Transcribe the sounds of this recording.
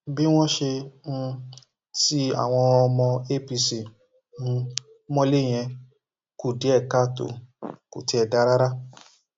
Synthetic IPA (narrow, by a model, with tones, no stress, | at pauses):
bi˦w̃ɔ̃˦ʃe˧ñ̩˧ | ti˦a̰˦˨w̃ɔ̃˧ɔ˧mɔ̃˧e˦˨pi˧si˨ | ũ˧˦ | mɔ̃˦le˦˨j̃ɛ̃˧ | ku˨de˨˦ɛ˦˨ka˦˨to̰˨kṵ˨ti˨˦ɛ˧da˧˦ɾa˦ɾa˦